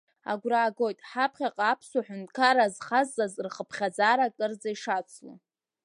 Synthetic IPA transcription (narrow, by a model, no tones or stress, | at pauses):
a̰ɡʷraːɡo̞jtʼħapʰχʲaqʼapʰsaħʊntʼkʰaɾazχazːazrχəpʰχʲad͡zaːɾakʼərd͡zaiʂat͡sʷʰla̰